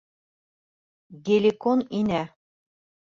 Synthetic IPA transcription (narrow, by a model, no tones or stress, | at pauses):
ɡelʲikoninæ